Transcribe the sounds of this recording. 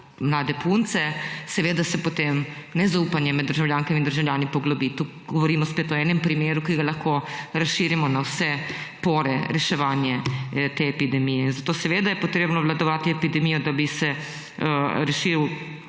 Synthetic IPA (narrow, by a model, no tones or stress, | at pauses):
mlaːd̪ɛpunt̪sɛsɛʋeːd̪asɛpot̪emnɛzaupanjɛmɛd̪ːəɾʒawljaŋkɛmind̪əɾʒawljaːnipɔɡlɔbit̪u | ɡɔʋɔɾiːmɔspeːt̪ɔɛːnɛmpɾimeːɾukiɡalaxkoɾasʃiːɾimɔnawsɛ | poːɾɛ̰ɾɛʃɛʋaːnjɛt̪eɛpid̪ɛmijɛinzat̪oːsɛʋeːd̪ajɛpɔt̪ɾeːbnɔʋlad̪ɔʋaːt̪iɛpid̪ɛmijɔd̪abisɛ | ɾɛʃiw